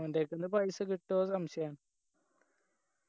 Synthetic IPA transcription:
endekːend̪ɨpɐjsɨkiʈːoːsɐmɕɐjaːn

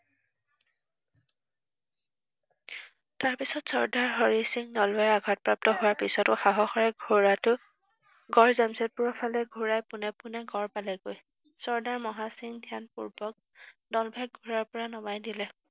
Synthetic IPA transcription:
taɹpisɔtsɔɹdaɹɦɔɹisiŋdɔlaaɡʱat̚pɹap̚tɔɦowaɹpisɔtʊxaɦɔxɔɹɛɡʱoɹatʊ | ɡɔɹzamsɛt̚puɹɔpʰalɛɡʱuɹajpʊnɛpʊnɛɡɔɹpalɛɡoj | sɔɹdaɹmɔɦasiŋdʱjanpuɹbɔk̚ | dɔlbʱɛk̚ɡʱuɹaɹpɔɹanɔmajdilɛ

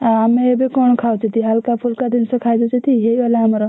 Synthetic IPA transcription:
aamebekɔɳ̃kʰawt͡ʃʰit̪iɦalkapʰuɾkad̪insə̃kʰajd͡ʒɔt͡ʃʰit̪iɦeiʋalaɦəmɾɔ

